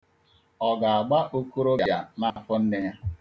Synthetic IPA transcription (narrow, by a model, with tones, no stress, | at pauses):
ɔ˨ɡa˨a˨ɡ͡ba˦ʔu˦ku˦ɾo˦ja˦ja˨na˦˨fʊ˦n̩˦ne˦ja˦